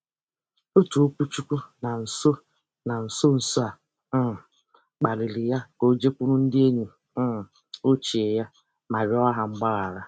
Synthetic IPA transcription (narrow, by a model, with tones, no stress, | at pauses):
o˦tu˨o˦kʷu˦t͡ʃu˦kʷu˦na˨n̩˨so˦ | na˨n̩˨so˦n̩˨so˦a˨˦˨ | k͡pa˨lɪ˨lɪ˨ja˦ko˦d͡ʒe˦kʷu˦ɾu˦n̩˦dɪ˦e˦ɲe˨˦˨ | o˦t͡ʃi˨e˨ja˦ | ma˨ɾɪ˨˦ɔ˦ɦa˨ŋ͡m̩˦ɡ͡ba˦ɣa˨ɾa˦